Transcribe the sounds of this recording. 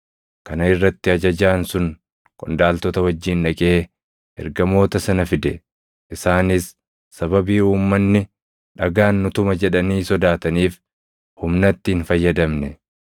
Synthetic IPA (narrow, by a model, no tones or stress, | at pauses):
kɐnɐɪrːɐt̪ːɪɐd͡ʒɐd͡ʒaːnsʊn | kʼɔ̰nd̪aːlt̪ɔt̪ɐwɐd͡ʒːiːnᶑɐkʼe̞ː | ɛ̰ɾɡɐmo̞ːt̪ɐsɐnɐfɪd̪ɛ | ʔɪsaːnɪsː | ɐbɐbiːhuːmːɐnːɪ | ᶑɐɡaːnːʊt̪ʊmɐd͡ʒɛᶑɐniːsɔd̪aːt̪ɐniːf | hʊmnɐt̪ːɪɪnfɐjːɐd̪ɐmnɛ